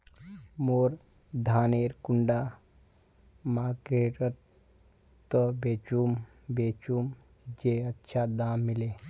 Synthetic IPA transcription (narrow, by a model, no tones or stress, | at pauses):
moːɾ | d̪ʱaːneɾkʊɳɖa | maːkɾeʈət̪ | t̪ːəbeːt͡ʃum | bet͡ʃum | d͡ʒeətːʃʰad̪aːmːile